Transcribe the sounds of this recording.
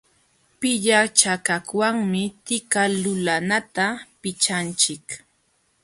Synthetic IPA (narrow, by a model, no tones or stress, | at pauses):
pɪʎat͡ʃakakwaŋmɪt̪ɪkalʊlanat̪apɪt͡ʃant͡ʃɪk